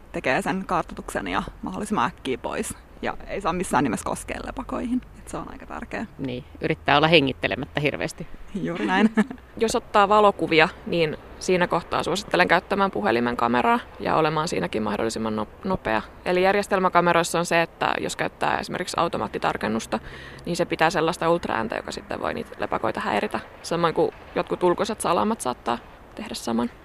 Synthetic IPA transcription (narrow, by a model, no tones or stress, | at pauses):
t̪ekeːseŋkɑrt̪ɑt̪uksḛnjɑ̰mɑholːˑisimɑækːiːpo̰is | jɑ̰eisɑːmisːæ̰ːnimesko̰skḛːlːḛpɑkoihinet̪seonɑ̰ikɑt̪æ̰rkḛːniːyɾit̪ːæːolːɑheŋːit̪ːelḛmæt̪ːæhirʋḛːst̪ijuːrinæin | josot̪ːɑːʋɑlokuʋiɑniːnsiːnækoht̪ɑ̰ːsuosi̥t̪ːeleŋkæyt̪ːæmæːmpuhelimeŋkɑmeɾɑːjɑ̰olemɑːnsḭːnækimmɑhdo̰lːˑisimːɑnːonopḛɑ | elijærjest̪elmækɑmeɾoisːonseet̪ːæ̰jo̰skæyt̪ːæ̰ːesimerkiksɑ̰wt̪omɑ̰ːt̪ːit̪ɑ̰rkenːust̪ɑniːnsepit̪æːselːɑst̪ɑult̪ræ̰ːnt̪æ̰jo̰kɑsit̪ːḛʋʋo̰iniːt̪lepɑkoit̪ɑhæirit̪æ | sɑmːɑŋku | jot̪̚kut̪ulkoset̪sɑlɑ̰mɑt̪sɑ̰ːt̪ːɑː | t̪ehdæssɑmɑn